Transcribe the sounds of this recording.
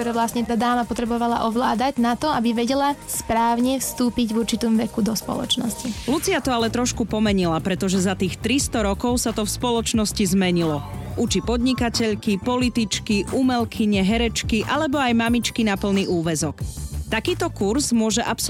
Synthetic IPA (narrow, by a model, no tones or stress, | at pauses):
t̪ɔɾɛːʋlasɲɛt̪ad̪aːmapɔt̪ɾɛbɔʋala̰ʔɔʋlaːd̪aɟnat̪ɔabiʋɛɟɛlaspɾaːʊɲɛfst̪uːpiɟvuɾt͡ʃit̪ɔmʋɛkud̪ɔspɔ̰lɔ̰t͡ʃnɔ̰scilut͡siat̪ɔalɛt̪ɾɔʃkupɔmɛɲilapɾɛt̪ɔʒɛzat̪iːxt̪ɾist̪ɔɾɔkɔʊsat̪ɔfspɔlɔt͡ʃnɔscizmɛɲilɔʔut͡ʃipɔd̪ɲikacɛʎkipɔlit̪it͡ʃkiʔumɛlkʰiɲɛɦɛɾɛt͡ʃkiʔalɛbɔajmamit͡ʃkinapl̩niʔuːʋɛzɔkt̪akiːt̪ɔkuɾzmʊɔʒɛʔaps